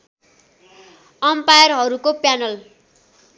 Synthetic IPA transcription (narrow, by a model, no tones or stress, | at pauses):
ʌmpajʌrɦʌɾukopjanʌl